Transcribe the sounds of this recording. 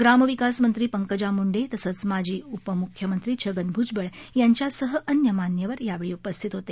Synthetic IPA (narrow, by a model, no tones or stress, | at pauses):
ɡɾaməʋikasmənt̪ɾiːpəŋkəd͡ʑamuɳɖet̪əsət͡smad͡ʑʱiːupəmukʰjəmənt̪ɾiːt͡ɕʰəɡənbʱud͡ʑbəɭjaɲt͡ɕjasəɦəʔənjəmanjəʋəɾjaʋeɭiːupəst̪ʰit̪ɦot̪e